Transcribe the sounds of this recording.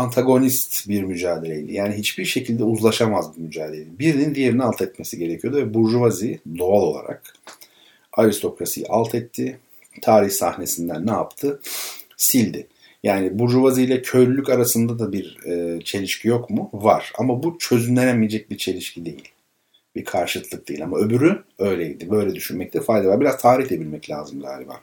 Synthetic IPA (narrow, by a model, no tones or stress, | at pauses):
ant̪ʰaɡo̞nist̪biɾmyd͡ʒaːd̪e̞lʲejd̪ʲijaːniɦit͡ʃbiɾʃe̞cʰilʲd̪ɛuzlˠaʃamazbumyd͡ʒaːd̪elʲelibiɾnind̪ije̞ɾinialˠt̪ʰɛt̪me̞siɟe̞ɾecʰijo̞d̪uvɛbuɾʒuvazid̪o̞alˠo̞lˠa̰ɾa̰k̚ | aɾist̪ʰo̞kɾasḭj̰ʔalˠt̪ʰɛt̪ʰːɪ | t̪ʰaːɾiçsa̰hne̞sind̪ænːɛa̰pt̪ʰɯ | silʲd̪ɪ | jaːnibuɾʒuvazijlʲɛcʰø̞ɾlylʲːycaɾasɯnd̪ad̪abiɾɛt͡ʃʰe̞lʲiʃcʰijo̞kmʊvaɾ̥a̰mabut͡ʃʰø̞zynlʲeɾɛmijed͡ʒɛc̚biɾt͡ʃʰe̞lʲiʃcʰid̪e̞jilʲ | biɾkʰaɾʃɯlk̪lˠɯk̚d̪ejilʲamaøbyɾyø̞jlʲejd̪ibø̞jlʲɛd̪yʃynmɛc̚t̪ʰɛfajd̪avaɾbiɾazt̪ʰaːɾiç̪e̞b̪ilʲmɛclʲa̰ːzɯmɡa̰ːlʲiba̰